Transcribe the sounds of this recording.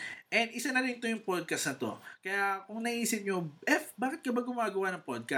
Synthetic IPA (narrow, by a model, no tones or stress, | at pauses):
ʔɛnd̪ʔɪsanɐɾɪnt̪o̞jʊŋpod̪̚kɐst̪nɐt̪o̞̰kɐjakʊŋnɐʔiːsɪp̚ɲoʔɛfbaːkɪt̪̚kɐbaɡʊmaːɡɐwanɐŋpod̪̚kɐ